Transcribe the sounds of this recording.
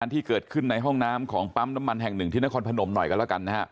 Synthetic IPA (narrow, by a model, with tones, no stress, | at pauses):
nt̪ʰiː˥kɤː˨˩t̪̚kʰɯ˥˩nːa˧jɦɔ˥˩ŋnaː˦˥mkʰɔː˩˦ŋpa˦˥mna˦˥mːa˧nɦɛ˨˩ŋnɯ˨˩ŋt̪ʰiː˥˩na˦˥kɔː˧npʰa˧no˨˧˦mnɔ˨˩jkɔː˧˥˩lɛ˥˩ka˧nːa˦˥kʰa˦˥ʔ